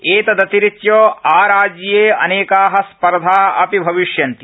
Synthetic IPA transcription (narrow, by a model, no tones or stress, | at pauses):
eːt̪ɐd̪ɐt̪iɾit̪joːaːɾaːd͡ʒjeːɐneːkaːɦɐspɐɾd̪ʱaːɐpibʱɐʋiʃjɐnt̪i̥